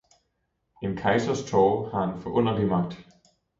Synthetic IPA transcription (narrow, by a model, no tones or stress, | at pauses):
e̝nkʰɑ̈ɪsɐst͡sʰɒːhɑ̈e̝nfɒ̽ʔɔ̽n̰ɐlimɑ̈ɡ̥̚d̥